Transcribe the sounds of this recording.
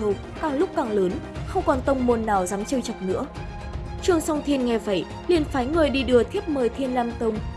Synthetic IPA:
o˧˩ | kaː˨˩ŋlʊ˦˥k͡p̚kaː˨˩ŋləː˨˦nxə˧wŋ͡mkɔ˨˩nt̪ə˧wŋ͡mmo˧˩nːaː˨˩wzaː˨˦mt͡ɕəː˧jt͡ɕə˨˩p̚nɨ̰˧˥ə | t͡ɕɨ˧˩əŋsɔ˧wŋ͡mt̪ʰi˧ənŋɛ˧˩və̰˧˩j | li˨˩ənfaː˨˦jŋɨ˨˩jɗi˧ɗɨ˨˩ət̪ʰi˦˥əp̚məː˨˩jt̪ʰe˧nlaː˧mt̪ə˧wŋ͡m

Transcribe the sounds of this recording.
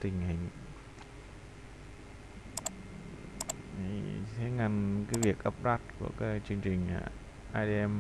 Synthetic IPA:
t̪ï˨˩ŋ̟hï˨˩ŋ̟˨˧˦ | t̪ʰe˨˦ŋa˧˩nkaː˨˦jvi˨˩ək̚ʔə˦˥p̚ɗa˦˥t̚ku˧˩əkaː˨˦˥k̚t͡ɕɨ˧əŋt͡ɕï˨˩ŋ̟ʔa̰ː˧˨˩ | ʔaː˧ɗe˧ɛ˧m

